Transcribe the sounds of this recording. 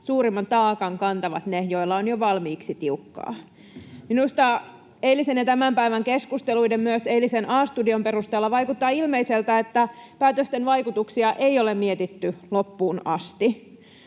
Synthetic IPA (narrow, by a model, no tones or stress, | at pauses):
suːɾimːɑnt̪ɑːkɑŋkɑnt̪ɑʋɑt̪nejoilːɑonjoʋɑlmiːksit̪iukːɑ̰ː | minust̪ɑ | eilisenjɑt̪æmæmpæiʋæŋkeskust̪eluidemmyøseilisenʔɑːst̪udio̞mpe̞rust̪eːlːɑʋɑjkut̪ːɑːilmeiselt̪æet̪ːæpæːt̪øst̪enʋɑjkut̪uksiɑʔe̞iolemmiet̪it̪ːylopːuːnɑst̪i